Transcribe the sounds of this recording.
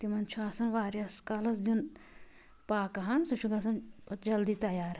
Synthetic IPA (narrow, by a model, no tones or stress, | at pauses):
t̪imɐnt͡ʃʰuasɐnʋaːɾjɐskalɐsd̪un | paːkɐɦɐnsut͡ʃʰuɡɐsɐnd͡ʒɐld̪iːt̪ɐjaːɾ